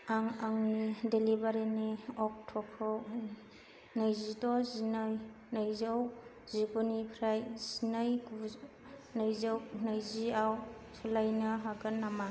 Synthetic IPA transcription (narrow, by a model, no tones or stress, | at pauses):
aŋaŋnidelibaɾiniɔk̚tʰɔkʰɔ | nɯjzidɔzinɯj | nɯjzaw | ziɡunipʰɾajz̥inɯjɡu | nɯjzɯwnɯjziaw | sʰulajnɯɦaɡɯnːama